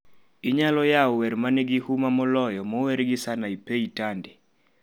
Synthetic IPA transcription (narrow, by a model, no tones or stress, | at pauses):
iɲalɔjaɔwɛɾmanɛɡɪhumamɔlɔjɔmɔwɛɾɡɪsanaipeitandɛ